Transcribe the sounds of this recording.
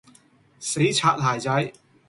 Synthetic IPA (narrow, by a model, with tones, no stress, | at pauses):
se˨˥jt͡sʰaː˧t̚t̪ʰaː˨˩jt͡sɐ˨˥j